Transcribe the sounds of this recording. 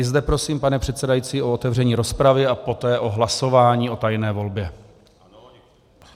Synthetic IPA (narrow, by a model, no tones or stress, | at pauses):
ɪzd̪ɛpɾo̞siːmpanɛpr̝̥ɛt̪sɛdajit͡siːo̞ot̪ɛvr̝ɛɲiːɾo̞spɾavɪapo̞t̪ɛːʔo̞ɦlaso̞vaːɲiːʔo̞t̪ajnɛːvo̞lbjɛ